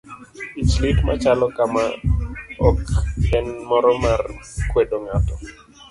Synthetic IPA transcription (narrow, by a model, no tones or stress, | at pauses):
islitma̰t͡ʃalɔkama | ɔkɛnmɔɾɔmarkwedoŋatɔ